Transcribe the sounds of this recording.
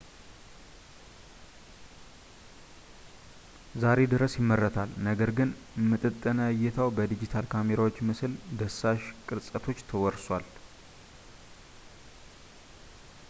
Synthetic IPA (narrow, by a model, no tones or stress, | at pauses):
zaɾe̞d̪ɨɾəsjɪmːərːət̪ʰalnəɡəɾɡɨn | mːɨt̪ʼɨt̪ʼːənəjɛt̪ʰawbəd̪id͡ʒit̪ʰalkʰame̞ɾawot͡ʃːmɨsld̪əsːaʃkʼɨɾsʼət̪ʰo̞t͡ʃːt̪ʰəwɔɾswʷal